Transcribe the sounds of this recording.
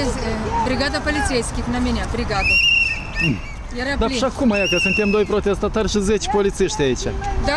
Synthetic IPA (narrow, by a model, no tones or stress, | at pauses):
sbɾʲɪɡad̪ɐpɐlʲit̪sʲejsʲkʲɪxnɐmʲenʲabɾʲɪɡad̪ɐ | jɐɾɐd̪aiʃakumajakəsɨnt̪ʲemd̪o̞jpɾo̞t̪ʲe̞st̪at̪arʲʃizʲet͡ʃʲpolʲit̪siʃt̪ʲait͡ʃʲa̰d̪a